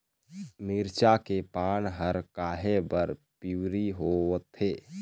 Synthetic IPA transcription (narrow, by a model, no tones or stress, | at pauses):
miɾt͡ʃakepaːnɦəɾkaːɦebəɾpiwɾiɦot̪ʰeː